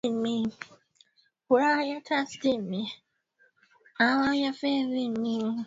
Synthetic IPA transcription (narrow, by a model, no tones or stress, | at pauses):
mi | huɾajatʰastimi | awajafɛɾimi